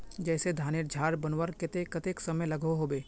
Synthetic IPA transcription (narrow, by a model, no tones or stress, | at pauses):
d͡ʒɛːsed̪ʱaːnɪɾd͡ʒʱaːɾbɐnwəɾkɪt̪ekɐt̪eksɐməlɐɡoɦoːbeː